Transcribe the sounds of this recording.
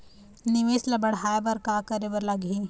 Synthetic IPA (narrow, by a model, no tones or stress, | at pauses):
nɪʋeːslɐbɐɽ̤aːjbɐɾkaːkəɾebəɾlɐɡi